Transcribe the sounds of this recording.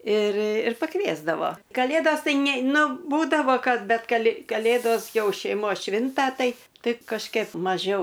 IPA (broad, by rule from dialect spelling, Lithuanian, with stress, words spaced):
ɪr ɪr pɐˈkʋʲiɛzdɐʋoː kɐˈlʲeːdoːs ˈtɐɪ nʲɛ ˈnʊ ˈbuːdɐʋoː ˈkɐt ˈbʲɛt kɐlʲɪ kɐˈlʲeːdoːs ˈjɛʊ ʃʲɛɪˈmoːs ˈʃʲʋʲɪntɐ ˈtɐɪ ˈtɐɪ kɐʃʲˈkʲɛp mɐˈʒʲɛʊ